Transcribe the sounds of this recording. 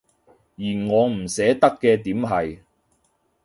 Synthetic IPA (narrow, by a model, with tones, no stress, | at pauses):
jiː˨˩nŋɔː˨˧m̩˨˩sɛː˨˥t̪ɐ˥kːɛː˧t̪iː˨˥mɦɐ˨j